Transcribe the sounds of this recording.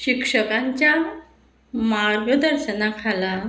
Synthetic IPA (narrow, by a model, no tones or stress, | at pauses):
ɕikʂəkaɲt͡ɕja | maɾɡəd̪əɾɕənakʰala